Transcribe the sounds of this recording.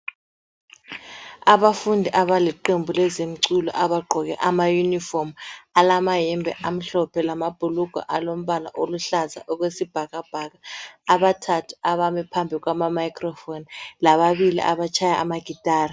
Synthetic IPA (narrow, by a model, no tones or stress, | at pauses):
aɓafundʱiʔaɓaliǃembʱulɛzem̩ǀulɔ̰ʔaɓaɡ͡ǃʱɔk̬ɛ̰ʔamajunifɔrmalamajɛmbʱɛ̰ʔam̩ɬɔpʰɛlamab̥ʱuluɡ̥ʱa̰ʔalom̩ɓala̰ʔoluɬaza̰ʔuk̬wesib̥ʱak̬ab̥ʱak̬aːɓatʰatʰu̥aɓamɛpʰambʱik̬wamamajkʰʼrɔfonlaɓaɓilḭʔa̰ɓat͡ʃʰajaʔa̰maɡ̥ʱitʼaːra